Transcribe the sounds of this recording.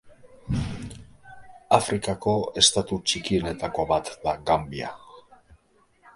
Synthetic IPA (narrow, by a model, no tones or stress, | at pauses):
afɾikako̞e̞st̪at̪ut͡ʃikie̞ne̞t̪ako̞βat̪d̪aɣambia̰